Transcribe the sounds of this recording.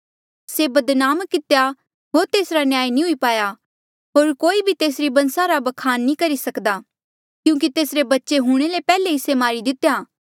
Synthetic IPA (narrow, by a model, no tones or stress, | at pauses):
sebɐd̪naːmkːɪt̪eja | ɦoːɾt̪eːsɾanjaːinĩɦʊipaːja | ɦoːɾkoːibʱit̪eːsɾibɐ̃nsaɾabɐkʰaːnːĩkɐɾisɐkd̪a | kjũːk̬it̪eːsɾebɐtːʃeɦʊɽ̃elepɛːleɪsemaːɾid̪ɪt̪jaː